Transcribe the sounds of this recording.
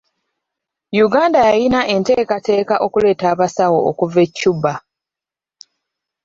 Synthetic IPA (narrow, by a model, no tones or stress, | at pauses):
juɡaːndajajinaʔe̞nte̞ːkate̞ːkaʔo̞kule̞ːtaːβasawo̞okuve̞cːuba